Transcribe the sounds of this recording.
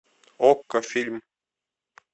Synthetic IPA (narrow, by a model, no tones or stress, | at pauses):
okːəfʲilʲm